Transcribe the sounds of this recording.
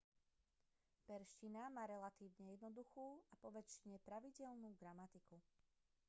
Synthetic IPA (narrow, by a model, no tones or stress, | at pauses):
pɛɾʃcinamaːɾɛlat̪iːʊɲɛjɛd̪nɔd̪uxuːapɔʋɛt͡ʃɲɛpɾaʋiɟɛʎnuːɡɾamat̪iku